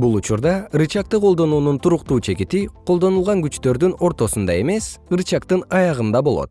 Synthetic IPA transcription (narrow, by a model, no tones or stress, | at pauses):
bulˠut͡ʃuɾd̪ɑɯɾɨt͡ʃɑk̚t̪ɯqʰo̞lˠd̪o̞nuːnunt̪ʰuɾuqt̪uːt͡ʃe̞kit̪iqʰolˠd̪o̞nulˠʁɑŋɡyt͡ʃt̪ø̞ɾd̪yno̞ɾt̪o̞sund̪ɑe̞me̞sɯɾt͡ʃɑkt̪ɯnɑjɑʁɯnd̪ɑbo̞lˠo̞̰t̪